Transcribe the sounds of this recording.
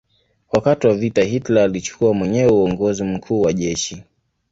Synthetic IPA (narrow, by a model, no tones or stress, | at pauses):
wakatiwavitaɦitlaːlit͡ʃu̥kuamwɛɲɛwɛuɔŋɡɔzim̩kʰuːwaʄɛʃi